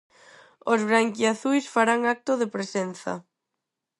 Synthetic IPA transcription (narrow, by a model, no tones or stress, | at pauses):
ozβɾaŋkjaθujsfaɾaŋak̚t̪oðepɾesen̟θa̰